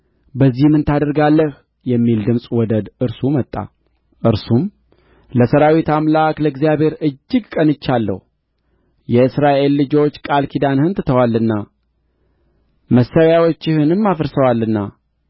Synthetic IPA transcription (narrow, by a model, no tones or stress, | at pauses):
bəzːihmɨnt̪ʰad̪əɾɡalːəh | jɛmːild̪ɨmsʼwɔd̪əd̪ɨɾsumət̪ʼːa̰ | ʔɨɾsum | ləsəɾawit̪amlakləɡzijaβhe̞ɾɨd͡ʒːɨɡkʼənɨt͡ʃːalːə̰h | jɛɨsɾaʔe̞lːɨd͡ʒo̞t͡ʃːkʼalkʰid̪anhɨnt̪ɨt̪ʰəwalːɨnːa | məsːəwjawo̞t͡ʃːɪhɨnɨmːafəɾsəwalːɨnːa